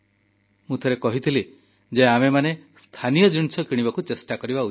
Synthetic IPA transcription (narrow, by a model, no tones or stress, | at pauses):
mũt̪ʰeɾekɔɦit̪ʰili | d͡ʒeamemanest̪ʰanijɔd͡ʒuñit͡ʃʰɔkiɽ̃ibakut͡ʃesʈakɔɾibau